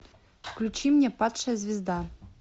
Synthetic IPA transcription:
fklʲut͡ɕimnʲepɑt̪ʂɛzʲvʲɪzd̪a

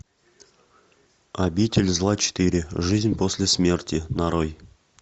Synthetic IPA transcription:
abʲitʲɪlʲzlˠat͡ɕɪ̥t̪ɨɾʲɪʐɨzʲnʲposʲlʲɪsʲmʲe̞rtʲɪnaɾoj

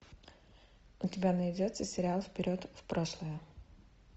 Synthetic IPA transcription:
ʊtʲɪbʲanəɪdʲot̪səsʲɪɾʲɪalˠfpʲɪɾʲot̪fpɾoʂlˠəjə

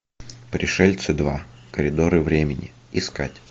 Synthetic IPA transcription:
pɾʲɪʂɛlʲt̪sɨd̪va̰kəɾʲɪd̪oɾɨvɾʲemʲɪnʲɪ̰ | ɪska̰tʲ

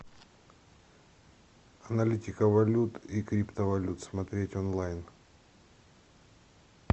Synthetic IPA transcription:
ɐnɐlʲitʲɪkəvɐlʲut̪ikɾʲipt̪əvɐlʲut̪smɐt̪ɾʲetʲonlˠajn

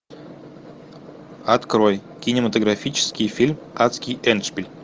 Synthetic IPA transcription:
at̪kɾoj | kʲinʲɪmɐt̪oɡɾafʲit͡ɕɪ̥skʲijfʲilʲm | at̪skʲijɛnʃpʲilʲ

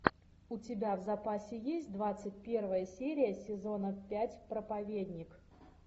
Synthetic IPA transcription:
ʊtʲɪbʲavzɐpasʲɪjesʲtʲd̪vat̪sɨtʲpʲe̞rvəjəsʲeɾʲɪjəsʲɪzo̞nəpʲætʲpɾəpɐvʲedʲnʲɪk

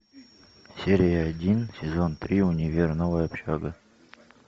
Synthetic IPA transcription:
sʲeɾʲɪjəɐdʲinsʲɪzont̪ɾʲiʊnʲɪvʲernəvəɐpɕaɡə

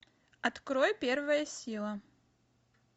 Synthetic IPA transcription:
ɐt̪kɾojpʲervəjəsʲilˠə

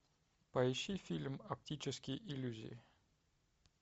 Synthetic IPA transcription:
pɐɪɕːifʲilʲmɐp̚tʲit͡ɕɪskʲɪjʔɪlʲuzʲɪ̰ɪ

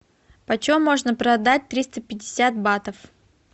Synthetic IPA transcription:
pət͡ɕɪumːo̞ʐnəpɾɐd̪at̚ʲt̪ɾʲist̪əpʲɪdʲɪsʲat̪̚bat̪əf

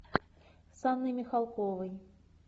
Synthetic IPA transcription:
sanːɨjmʲixalˠkɔvɐj

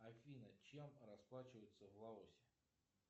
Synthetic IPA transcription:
afʲinət͡ɕɛmrɐsplˠat͡ɕɪvəjʊt̪səvɣlˠaɔsʲɪ̥

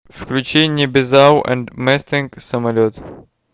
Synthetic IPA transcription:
fklʲʉt͡ɕenʲɪəbʲɪzawʔɛ̰nd̪mɛsʲt̪ɪŋksəmɐlʲot̪

